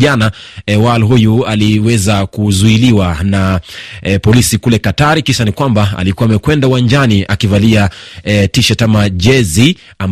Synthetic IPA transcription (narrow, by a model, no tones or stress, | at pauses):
ʄanawalɦujualiwɛzakuzuiliwana | pɔlisikulɛkataɾikiʃanikwambaa̰likuwaːmɛkwɛndauwand͡ʒaniʔakivaliatiʃatamaʄɛzi | am